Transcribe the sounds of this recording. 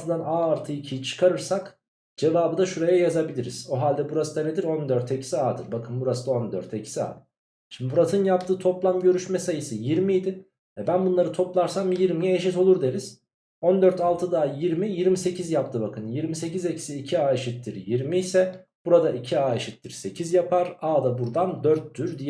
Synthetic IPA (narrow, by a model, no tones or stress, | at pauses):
t̪ʰɯd̪anaːɾt̪ʰɯicʰijit͡ʃʰɯ̥kʰaɾɯɾsak | d͡ʒe̞vaːbɯd̪aʃuɾejajazabilʲiɾḭz̥o̞ɦalʲd̪ɛbuɾasɯd̪aned̪iɾo̞nd̪øɾt̪ʰecʰi̥siaːd̪ɯɾbakʰɯnbuɾasɯd̪ao̞nd̪øɾt̪ʰecʰi̥sia̰ːd̪ɯ | ʃimd̪ibuɾat̪ʰɯnjapt̪ʰɯːt̪ʰo̞plˠamɟø̞ɾyʃmɛsajisɛjiɾmijd̪i | vɛbænbunlˠaɾɯt̪ʰo̞plˠaɾsamjiɾmijɛeʃit̪o̞lˠuɾd̪eɾiz̥ | o̞nd̪øɾt̪ʰalˠt̪ʰɯd̪aːjiɾmijiɾmise̞cʰizjapt̪ʰɯbakʰɯnjiɾmise̞cize̞cʰi̥siːcʰiaːeʃit̪lːiɾjiɾmijsɛb̥uɾad̪aʔicʰiaːeʃit̪ːʲiɾse̞cʰizjapʰaɾaːd̪abuɾd̪and̪øɾt̪ʰːyɾd̪ijɛ